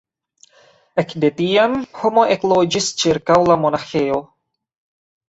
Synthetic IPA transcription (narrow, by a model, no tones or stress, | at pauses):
ekde̞tiamho̞mo̞ʔeklo̞d͡ʒist͡ʃiɾkawlamo̞naxe̞o̞